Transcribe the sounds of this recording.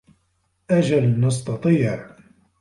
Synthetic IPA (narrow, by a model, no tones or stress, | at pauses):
ʔad͡ʒalnɑs̬t̪ɑt̪ˤiːʕʕ